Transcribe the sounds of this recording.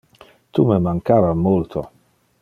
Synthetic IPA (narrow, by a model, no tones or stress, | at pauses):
t̪umemaŋkaːvamolt̪ʰo